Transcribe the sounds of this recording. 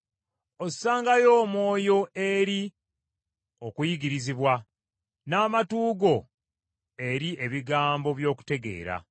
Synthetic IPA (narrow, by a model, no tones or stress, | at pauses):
osaːŋɡajo̞ːmwo̞ːjo̞e̞ɾi | o̞kujiɡiɾiziβwa | naːmatuːɡo̞ | e̞ɾie̞βiɡaːmbo̞βjo̞ːku̥te̞ɡe̞̰ːɾa̰